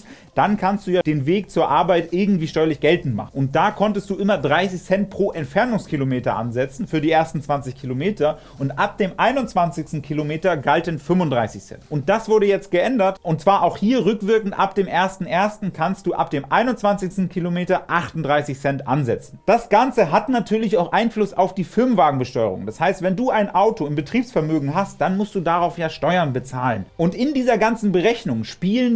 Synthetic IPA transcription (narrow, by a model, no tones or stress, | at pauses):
d̥ankʰanst̚d̥uːjaːd̥eːnveːkt͡suːɐʔaɐbaɪtʔɪɐɡŋ̩tv̥iːʃtɔʏɐlɪçɡ̥ɛltn̩tma̰χn̩ʊnt̚d̥aːkʰɔntəst̚d̥uːʔɪmɐdʁaɪsɪçsɛnt̚pʁ̥oːʔɛntfɛɐnʊŋskʰilomeːtɐ̰ʔa̰nzɛt͡sn̩fyːɐdiːʔeːɐstn̩t͡sv̥ant͡sɪçkʰilomeːtɐ | ʔʊntʔap̚d̥eːmʔaɪnʊnt͡sv̥ant͡sɪçstn̩kʰilomeːtɐɡaltənfʏmʊndʁaɪsɪçsɛ̰ntʔʊnt̚d̥asv̥ʊɐɾəjɛt͡st̚ɡ̥əʔɛndɐtʔʊntt͡sv̥aːɐʔaʊxhiːɐʁʏkv̥ɪɐkŋ̩tʔapd̥eːmʔeːɐstn̩ʔeːɐstn̩kʰanstd̥uːʔa̰p̚d̥eːmʔaɪnʊnt͡sv̥ant͡sɪçstn̩kʰilomeːtɐʔaχtʊntdʁaɪsɪçsɛntʔa̰nzɛ̰t͡snn̩d̥asɡ̥ant͡səɦatnatʰyːɐlɪçaʊxʔaɪnflʊsa̰ʊfd̥iːfɪɐmnvaːɡŋ̩bəʃtɔʏʁʊ̰ŋd̥ashaɪstv̥ɛnduːaɪnʔaʊtʰoɪmbətʁ̥iːpsfɛɐmøːɡŋ̩ɦast̚d̥anmʊstd̥uːdaʁaʊfjaːʃtɔʏɐnbət͡saːlənʔʊntʔɪndiːzɐɡant͡sn̩bəʁɛçnʊŋʃpiːlən